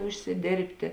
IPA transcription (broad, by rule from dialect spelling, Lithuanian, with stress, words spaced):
ʊʃʲsʲɪˈdʲeːrʲpʲtʲeː